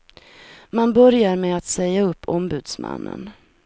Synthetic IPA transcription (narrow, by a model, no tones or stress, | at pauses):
manbœɾjaɾmeat̪sɛjːaɵpːɔmbʉ̟ːd̪sma̰nːə̰n